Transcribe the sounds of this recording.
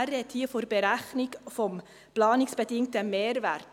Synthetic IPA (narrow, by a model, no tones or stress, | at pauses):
ɾɛthiːəfoɾbəɾæχnɪɡfɔm | plɑːnɪksb̥ədɪŋtəmeːɾvæɾt